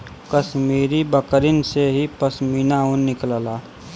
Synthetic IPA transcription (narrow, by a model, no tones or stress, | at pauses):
kəsmiːɾibəkəɾɪnseɦipəsmiːnaũnnɪkləlaː